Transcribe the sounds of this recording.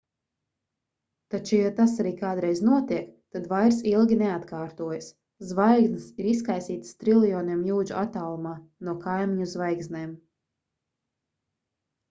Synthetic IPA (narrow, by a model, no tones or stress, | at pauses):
t̪at͡ʃujat̪asaɾiːkaːd̪ɾɛjznuɔt̪iɛkt̪ad̪vajɾsilˠɡʲineat̪kaːɾt̪uɔjas | zvajɡznsiɾiskajsiːt̪st̪ɾilˠijɔːniɛmjuːd͡ʒuʔat̪aːlˠumaːnuɔkajmiɲuzvajɡznɛːm